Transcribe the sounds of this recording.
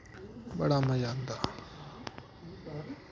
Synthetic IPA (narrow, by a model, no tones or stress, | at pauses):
bɐ̰ɽaːmɐjaːnd̪aː